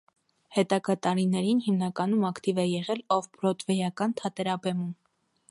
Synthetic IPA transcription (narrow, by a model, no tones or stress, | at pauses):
hɛt̪ɑɡɑt̪ɑɾinɛɾinhimnɑkɑnumɑkʰt̪ivɛjɛʁɛlɔvpɾɔt̪vɛjɑkɑnt̪ʰɑt̪ɛɾɑbɛmum